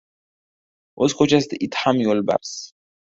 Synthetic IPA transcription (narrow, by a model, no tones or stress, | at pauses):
ɔskʰɔt͡ʃʰast̪it̪ʰħamiɔlba̰ɾs